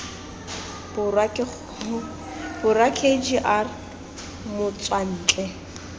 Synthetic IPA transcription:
bʊra | b̥ʊrakʰed͡ʒiʔar | mʊt͡sʼwan̩ːt͡ɬʼɛ

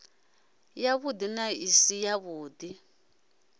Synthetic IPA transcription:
jaβud̪inaisijaβuːd̪i

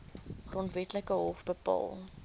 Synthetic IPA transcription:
χrontvɛtləkəɦɔfbəpɑ̰ːlˠ

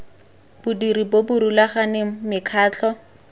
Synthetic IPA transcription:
b̥ʊdiɾibobʊɾulaχanɪmɪkʰaːt͡ɬʰɔ

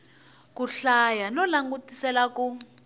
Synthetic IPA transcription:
kuɬajanɔlaŋɡutisɛlaku

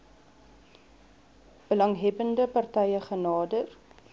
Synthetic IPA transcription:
b̥əlɐŋɦɛbəndəpɐrtɛjəχənɑːdər

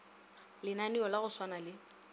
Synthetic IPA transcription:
lɪnaniɔlaɣʊswanalɪ

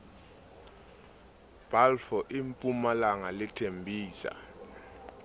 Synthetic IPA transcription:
b̥alfɔʔimpʼumalaŋalɪtʰembʱiːsa̰

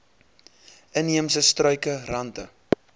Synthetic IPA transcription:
əniəmsəstrœɥkərɐntə

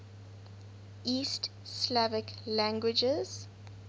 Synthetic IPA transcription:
iːst | slavɪklæ̃ŋɡwɪd͡ʒəz̥

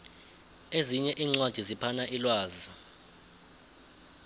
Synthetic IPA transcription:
eziɲɛʔiːŋ͡ǀwad̥ʱizipʰanaʔilwaːzi

